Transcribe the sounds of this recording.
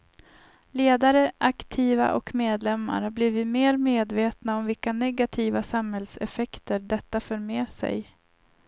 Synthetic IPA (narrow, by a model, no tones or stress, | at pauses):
leːd̪aɾəʔakt̪ʰiːva̰ʔɔkmeːd̪lɛmːa̰ɾhaɾbliːvɪt̪meːɾmeːd̪veːt̪naɔmvɪlkanɛɡat̪ʰiːvasamhɛlsɛ̰fɛkt̪əɖɛt̪ːaføːɾmeːsɛ̰j